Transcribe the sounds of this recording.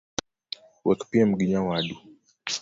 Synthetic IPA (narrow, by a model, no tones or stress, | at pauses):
wɛkpiam̩ɡiɲawaɗu